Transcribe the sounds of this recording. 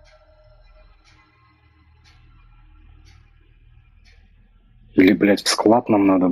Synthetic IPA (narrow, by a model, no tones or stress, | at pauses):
ilʲɪblʲætʲfsklˠat̪namnad̪ə